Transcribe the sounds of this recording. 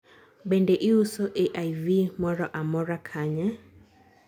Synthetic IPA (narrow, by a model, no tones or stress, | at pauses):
bendeʔɪusoʔeʔajvimɔɾɔʔamɔɾakʰaɲɛ